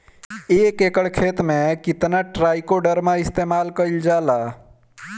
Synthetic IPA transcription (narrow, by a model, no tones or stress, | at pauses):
eːkekəɽkʰeːt̪mẽkɪt̪naʈɾaːjkoɖəɾmãɪst̪eːmaːlkəɪld͡ʒaːla